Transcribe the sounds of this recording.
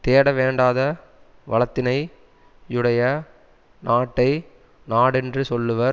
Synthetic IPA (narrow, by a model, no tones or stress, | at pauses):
t̪eːɽɐʋeːɳɖaːðɐ | ʋɐɭɐt̪ːɪnɐɪ | ɯɽɐjɐ | naːʈːɐɪ | naːɽɛndrɯsɔlːɯʋɐɾ